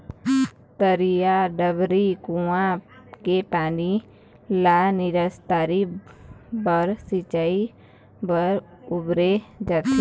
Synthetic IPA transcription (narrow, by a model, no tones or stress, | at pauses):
t̪əɾijaɖəbɾikuã | kepaːni | laːnɪɾəst̪aːɾi | bəɾsɪt͡ʃaːi | bəɾʊbɾed͡ʒat̪i